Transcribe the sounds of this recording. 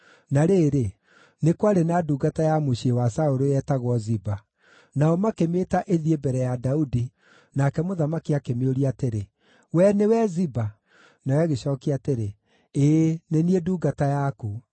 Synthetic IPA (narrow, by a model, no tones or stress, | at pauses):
naɾeːɾe | nekwaɾenaduːɡatajamoɕiewasaoɾoɛtaɣwɔziba | naɔmakemeːtaʔeðiebɛɾɛjadaudi | nakɛmoðamakiakemeoɾiateɾe | wɛnewɛziba | nawɛɣeɕɔːkiateɾe | eːnenieduːɡatajaku